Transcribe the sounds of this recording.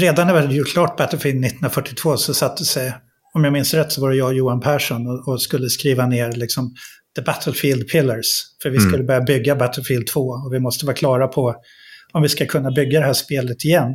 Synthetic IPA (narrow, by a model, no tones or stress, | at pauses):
ɾeːd̪anːɛvɪɾhad̪əjʊkʰlɑːʈ̚bæt̪əlfiːld̪nɪt̪ːh̪nɾafœʈʰːɪt̪ʰv̥oːsɔsat̪ʰːəsɛj | ɔmjɑɡmɪnsɾɛt̪ːsɔvɑːɾəjɑːjuːanpʰæːʂɔnɔɔskɵlːəskɾiːvaneːɾlɪksɔm | d̪̥əbæt̪ʰəlfiːld̪̚pʰɪlːəɾsfœɾvɪskɵlːəbœɾjabʏɡːabæt̪ʰːəlfiːld̪̚t̪ʰv̥oːɔvɪmɔst̪əvɑːkʰlɑːɾapʰɔ | ɔmvɪskakʰɵnːabʏɡːad̪ɛɦæːʂpeːlət̪ɪjɛnː